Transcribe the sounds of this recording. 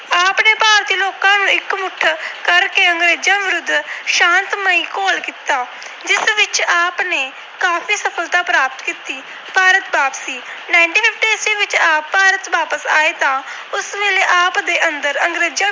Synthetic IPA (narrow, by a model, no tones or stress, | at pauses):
aːpneːpaːɾt̪iːloːkãːnũɪkmʊʈʰkəɾkeːəŋɡɾeːd͡ʒãːʋɪɾʊd̪ːʃãːnt̪məiːkoːlkiːt̪aː | d͡ʒɪsʋɪt͡ʃaːpneː | kaːpʰiːsəpʰəlt̪aːpɾaːp̚t̪kiːt̪iː | paːɾət̪baːpsiːnaːɪɳʈiːpʰɪpʰʈiːsiːʋɪt͡ʃaːpːaːɾət̪baːpəsa̰ːeːt̪ãː | ʊsʋeːleːʔaːpd̪eːʔənd̪əɾəŋɡɾeːd͡ʒãː